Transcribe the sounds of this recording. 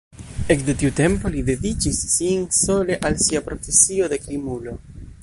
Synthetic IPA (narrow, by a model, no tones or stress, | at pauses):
ekd̪e̞tiute̞mpo̞lid̪e̞did͡ʒisːinso̞le̞ʔalsiapɾo̞fe̞sio̞d̪e̞kɾimulo̞